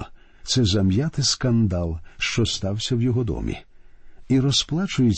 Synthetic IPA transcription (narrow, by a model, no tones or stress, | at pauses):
t̪sɛzɐmjat̪ɪskɐnd̪alˠʃt͡ʃɔst̪ɑwsʲɐwjɔɦɔd̪ɔ̰mʲḭ | iɾɔsplˠat͡ʃʊjɪ